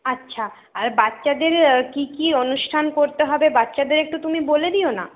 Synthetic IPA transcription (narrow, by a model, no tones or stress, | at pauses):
atːʃʰa | aɾbat̪ːʃad̪eɾkikionuʃʈʰankoɾt̪eɦɔbebat̪ːʃad̪eɾek̚ʈut̪umiboled̪iona̰